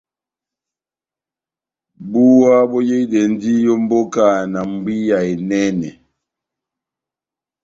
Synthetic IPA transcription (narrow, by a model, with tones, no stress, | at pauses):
bu˦wa˦bɔ˦je˦i˦de˨n˦di˦jɔ˦m̩˦bo˦ka˨na˨m˨bi˦ja˨e˨nɛ˦nɛ̰˨